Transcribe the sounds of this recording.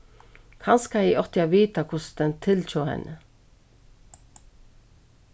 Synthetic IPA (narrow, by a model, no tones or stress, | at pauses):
kʰɑnskɑiːʔɔt̪ɪɑʋiːt̪ɑkʰʊsd̪̥ɛnt̪ʰɪltʰuːhɛ̰nʔə